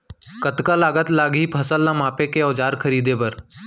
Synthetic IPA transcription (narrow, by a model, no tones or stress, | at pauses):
kət̪kalaːɡət̪laːɡɦipʰɐsəlːamaːpekeɔːd͡ʒaːɾkʰəɾiːd̪epɐɾ